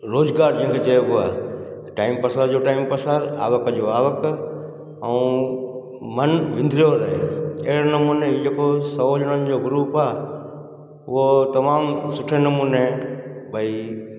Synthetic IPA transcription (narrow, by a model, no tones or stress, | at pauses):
ɾoːzɡaːɾd͡ʑɐ̃ɦɪ̃ŋkʰet͡ɕɐjoʊa̰ː | ʈaːɪmpɐsaːɾd͡ʑoːʈaːɪimpəsaːɾaːʋəkəd͡ʑoaːʋək | ɛũ | mɐnʋɪ̃nd̪ɾijoɾɐɦḛɐɦɪɽnɐmuːneid͡ʑeːkosɐɦoːd͡ʑəɽ̃ənɪ̆d͡ʑoːɡʊɾuːpaː | ʊɦot̪ɐmaːmsʊʈʰenɐmuːnebʱɐi